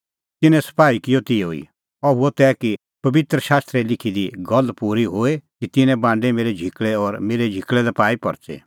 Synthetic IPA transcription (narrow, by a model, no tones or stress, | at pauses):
t̪ɪnɛ̃sɐ̥paːikɪjɔt̪ɪjoḭ | ɐuɔt̪ɛːki | pɐʋɪt̪ɾəʃaːst̪ɾɛlɪkʰid̪iɡɔlpuɾiɦoːekit̪ɪnɛ̃bãːɳ̆ɖemeːɾɛd͡ʒʱikɭɛɔːɾmeːɾed͡ʒʱɪkɭɛd̪ɐpaːipɔ̰ɾt͡ʃḛː